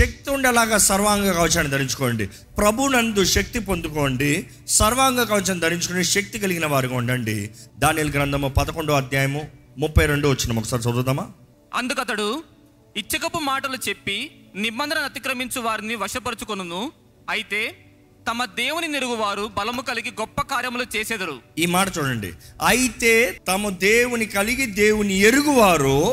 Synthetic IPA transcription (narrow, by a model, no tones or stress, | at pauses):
ʃɐk̚t̪iuɳɖɛlaːɡaːsɐɾʋaːŋɡɐkɐʋt͡ʃaːnid̪ʱɐɾiɲt͡ʃu̥koːɐɳɖḭ | pɾɐbʱunɐnd̪uʃɐk̚t̪ipond̪ukoːɳɖi | sɐɾʋaːŋɡɐkɐʋɐt͡ʃaːnid̪ʱɐɾiɲt͡ʃukoniʃɐk̚t̪ikɐliɡinɐʋaːɾikuɳɖɐɳɖḭd̪aːniluɡɾɐnd̪ʰɐmopɐd̪ɐko̞ɳɖuɐd̪jaːjɐmumupːɐjɾeɳɖuʋɐt͡ʃːinɐmɔkːɐsaːɾisɐd̪ud̪ɐmaː | ɐnd̪ukɐt̪ɐɽu | it͡ʃːɐkɐpːumaːʈɐlut͡ʃe̞pːinibɐnd̪ɾɐnɐt̪ikɾɐmiɲt͡ʃɐʋaːɾiniʋɐʂɐpɐɾut͡ʃukonɐnu | ɐjit̪e̞ː | t̪ɐmɐd̪eːwuniniɾuɡuʋaːɾubɐlɐmukɐliɡiɡɔpːɐkaːɾjɐmlut͡ʃeːsɛːd̪ɐɾuiːmaːʈɐt͡ʃuːɽɐɳɖḭɐjit̪e̞ːt̪ɐmɐd̪eːwunikɐliɡid̪eːwunieɾuɡuʋaːɾu